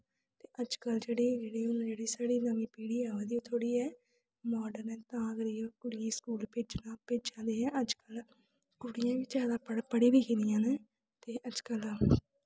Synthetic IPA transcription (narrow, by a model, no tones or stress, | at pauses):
t̪eːʔəd͡ʒkəld͡ʒeːɽeːd͡ʒeːɽeːʊnãːd͡ʒeːɽiːsaːɽiːnamiːpiːɽiːɛːɦod̪iõːt̪ʰoːɽiːɛː | mɔːɖəɾɛ̃ːt̪ãːəɡəɾiõkʊɽɪjãːskuːlpeːd͡ʒnãːpeːd͡ʒãːd̪eːɦɛ̃ːʔəd͡ʒkəl | kʊɽɪjãːʋiːd͡ʒjaːd̪aːpəpəɽiːʋiːkʰĩd̪ɪjãːneː | t̪eːʔəd͡ʒkəl